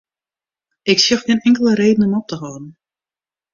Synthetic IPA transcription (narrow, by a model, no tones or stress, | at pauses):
ɪksjəxxɪnɪŋkəlˠəɾeːdən̩ɔmɔp̚təɦɔːdn̩